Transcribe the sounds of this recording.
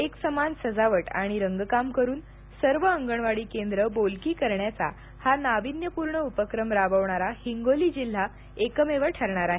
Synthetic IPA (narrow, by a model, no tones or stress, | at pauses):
eksəmansəd͡zaʋəʈa̰ɽ̃iɾəŋɡkamkəɾuːn | səɾʋəəŋɡəɳʋaɽiːkend̪ɾəbolkiːkəɾɳjat͡sa̰ | hanaʋinjəpuɾɳəupəkɾəmɾabəʋɳaɾahiŋɡoliːd͡ʑil̤ːa | ekəmeʋəʈʰəɾɳaɾaɦe